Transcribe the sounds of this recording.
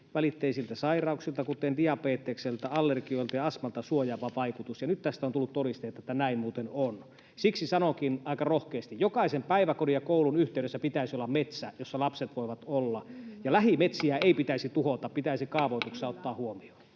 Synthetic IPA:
ʋælit̪ːeisilt̪æsɑirɑuksilt̪ɑkut̪ːˑendiɑpeːt̪ːˑekselt̪æɑlːerɡioilt̪ɑjɑɑsmɑlt̪ɑsuojɑʋɑʋɑikut̪usjɑnyt̪t̪æst̪æont̪ulːut̪t̪ːodist̪eˑit̪ɑet̪ːænæimmuːt̪enon | siksisɑnokinɑˑikɑrohkeːst̪ijjokɑisempæiʋækodijɑkoˑulunyht̪eywɾesːæpit̪æisiolːɑmmet̪sæjosːɑlɑpset̪ʋoiʋɑt̪olːɑjɑlæhimet̪siæeipit̪æisit̪uhot̪ɑppit̪æisikɑːʋoit̪uksɑot̪ːɑːhuomio̥

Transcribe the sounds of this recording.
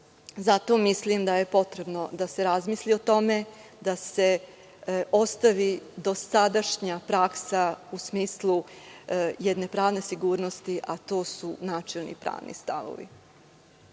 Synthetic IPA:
zat̪o̞mislimd̪aje̞po̞t̪ɾe̞bno̞d̪ase̞ɾazmiːslio̞t̪o̞me̞ | d̪ase̞ | o̞st̪aʋid̪o̞sad̪aʃɲapɾaksausmiːslˠu | jed̪ne̞pɾaːʋne̞siɡuːɾno̞st̪iʔat̪o̞ːsunaːt͡ʃelˠnḭpɾa̰ːʋnḭst̪a̰ʋo̰ʋḭ

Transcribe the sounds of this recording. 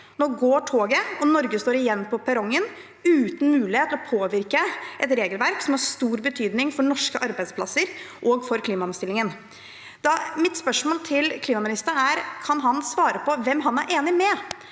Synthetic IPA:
noːɡoːʈʰoːɡəɔnɔɾɡəst̪oːɾɪjɛnːpʰɔpʰɛɾɔŋːən | ʉːt̪n̩mʉːlɪheːt̪ʰːlɔpʰoːʋɪɾkəʔɛt̪ɾeːɡəlʋæɾksɔmhɑɾst̪uːɾbət̪ʰyːd̪nɪŋfɔɳɔʂkəʔɑɾbæɪd̪spʰlɑ̰səɾʔɔɡfɔɾkʰliːmɑɑnst̪ɪlːɪŋən | d̪̥ɑmɪt̪spœʂmoːlt̪ʰɪlkʰliːmɑmɪnɪst̪əɾæɾkʰɑnɦɑnsʋɑːɾəpʰɔʋɛmːɦɑnæ̰ɾʔeːnɪmɛ

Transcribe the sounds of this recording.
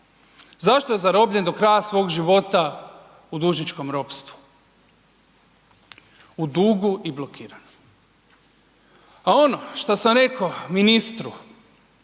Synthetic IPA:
zaʃt̪oje̞zaɾo̞bʎe̞nd̪o̞kɾajasʋo̞ːɡʒiʋo̞t̪a | ud̪uːʒnit͡ʃko̞mɾo̞pst̪ʋu̥ | ud̪uːɡuʔiblˠokiːɾano | ao̞noʃt̪asamɾe̞kominist̪ɾu

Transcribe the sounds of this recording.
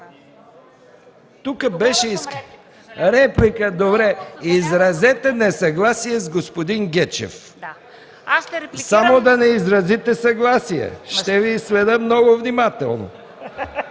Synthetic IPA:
t̪ukəbɛʃɛis | ɾɛplikəd̪obɾɛizɾɐzɛt̪ɛnɛsɐɡlˠasiɛzɡospod̪inɡʲɛt͡ʃɛ̰f | samod̪ɐnɛizɾɐzit̪ɛsɐɡlˠasijɛ̰ʃt̪ɛviːslɛd̪əmnɔɡovnimat̪ɛ̰lˠno̰

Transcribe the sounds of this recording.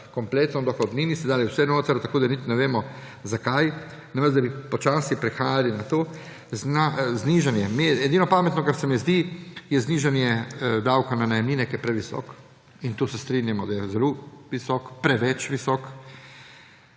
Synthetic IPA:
kɔmplet̪nɔd̪ɔxɔd̪niːnisɛd̪aːliwsɛnoːt̪aɾt̪akoːd̪anit̪nɛʋeːmɔ | zakaj | namɛzd̪abipɔt͡ʃaːsipɾixaːjalinat̪oː | znazniːʒanjɛmiɛd̪iːnɔpaːmɛt̪nɔkaɾsɛmiɛzd̪ijɛzniːʒanjɛd̪awkananajɛmniːnɛkjɛpɾɛʋisɔ̰k | int̪usɛst̪ɾinjamɔd̪ajɛzɛloʋisɔkpɾɛʋɛt͡ʃʋisɔk

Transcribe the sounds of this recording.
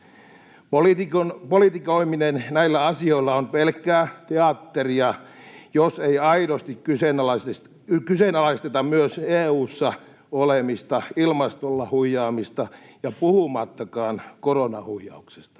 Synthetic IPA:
polit̪ikonpolit̪ikoiminennæilːæɑsioilːɑonpelkːˑæːt̪eɑt̪ːeriɑ | joseiɑiɾost̪ikkysenlɑse | ykysenɑlɑist̪et̪ɑmyøseːuːsːɑ | olemist̪ɑilmɑst̪olːɑhuijˑɑːmist̪ɑjɑpuhumɑt̪ːɑkɑːnkoronɑhuijːˑɑ̰ukse̥st̪ɑ̥

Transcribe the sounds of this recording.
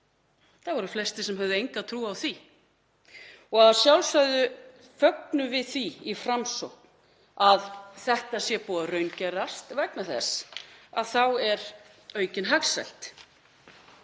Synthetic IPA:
θavɔɾʏflɛst̪ɪsɛmɦœvðʏejŋkat̪ʰɾuːaːwθi | ɔɣaðasjawlsaɥðʏ | fœknʏvɪðθiifɾamsɔhkn | aðθɛht̪asjɛpɔːaɾœɥncɛɾast̪vɛknaθɛ̰saðθawɛɾ | œːɥcɪnɦaɣsɛ̰jl̥t̪

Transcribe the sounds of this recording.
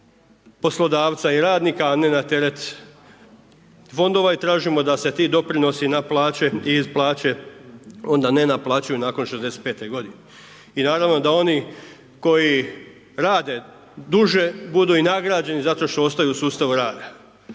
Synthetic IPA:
po̞slˠo̞d̪aːʋt̪saiɾaːd̪niːkaːnenat̪e̞ɾe̞t̪ | fo̞nd̪o̞ʋait̪ɾaːʒimo̞d̪ase̞t̪iːd̪o̞pɾino̞sinaplˠaːt͡ɕe̞iizplˠaːt͡ɕe̞ | o̞nd̪ane̞naplˠaːt͡ɕajunaːko̞nʃed̪e̞set̪̚pe̞ːt̪e̞ɡo̞d̪ine | inaːɾaʋno̞d̪ao̞ni | ko̞ji | ɾaːd̪e̞ | d̪uʒe̞bud̪uinaɡɾaːd͡ʑe̞nizat̪o̞ʃt̪o̞o̞st̪ajuːsuːst̪aʋuɾaːd̪a

